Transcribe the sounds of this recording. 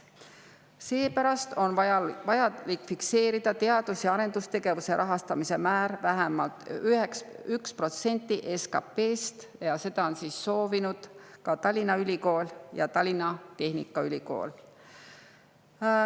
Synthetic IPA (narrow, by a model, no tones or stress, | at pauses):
se̞ːpæɾɑst̪o̞nvɑjɑlikːfikse̞ːɾid̪̥ɑt̪e̞ɑd̪̥usjɑɑɾe̞nd̪ust̪e̞ɡ̥e̞vuse̞ɾʔɑɦɑst̪ɑmise̞mæːɾvæɦemɑlt̪yheksykspro̞t̪se̞nʲt̪ːˑiʔeskɑpe̞ːst̪ | jɑse̞d̪̥ɑo̞nsiːsːo̞ːvinud̪̥kɑt̪ɑlʲːinɑylʲiko̞ːljɑ̰t̪ɑlʲːinɑt̪e̞hnḭkːˑɑylʲiko̞̰ːl